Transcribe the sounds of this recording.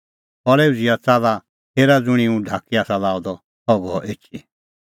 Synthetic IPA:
pɔɾeːud͡ziat͡saːla | t̪eːɾad͡zʊɽ̃iũɖʱakiaːsalaːɔd̪ɔ | hɔɡɔʔeːt͡ʃi

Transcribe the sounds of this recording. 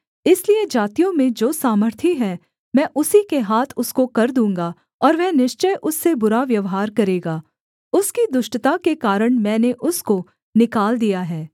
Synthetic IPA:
ɪslied͡ʒaːt̪ijõmẽd͡ʒoːsaːməɾt̪ʰiɦɛ | mɛ̃ːʔʊsikeɦaːt̪ʰʊskokɐɾd̪ũːŋɡa | ɔːɾʋɛnɪʃt͡ʃəjʔʊsːebʊɾaʋjɐʋɦaːɾkɐɾeːɡaː | ʊskid̪ʊʃʈət̪akekaːɾəɽ̃mɛ̃ːneʔʊsko | nɪkaːld̪ijaɦɛː

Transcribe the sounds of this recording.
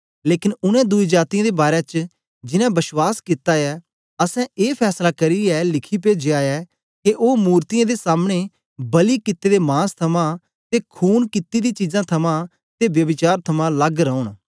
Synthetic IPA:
leːkɪnʊnɛ̃ːd̪ʊid͡ʒaːt̪ɪijãːd̪ebaːɾɛ̃t͡ʃ | d͡ʒɪnãːbɪʃwaːskɪt̪aːɛː | əsɛ̃eːpʰɛːslakɐɾiɛːlɪkʰip̬ed͡ʒɪaːɛː | keʔoːmuːɾt̪ɪjãːd̪esaːmɽ̃e | bɐlikɪt̪ːeːd̪emãːst̪ʰɐmã | t̪ekʰuːnkɪt̪ːid̪ĩːt͡ʃizãːt̪ʰɐmãː | t̪ebjɐbɪt͡ʃaːɾt̪ʰɐmãləɡɾəʊɳ̃

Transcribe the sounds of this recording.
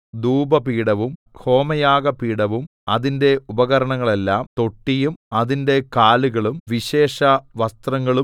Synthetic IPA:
d̪uːbɐpiːɽɐʋum | ho̞ːmɐjaːɡɐpiːɽɐʋum | ɐðinde̞ubɐɣɐɾɐɳɐŋːɐɭe̞lːaːmt̪o̞ʈːijumɐðinde̞kaːluɣɐɭumʋiɕe̞ːʂɐʋɐst̪rɐŋːɐɭum

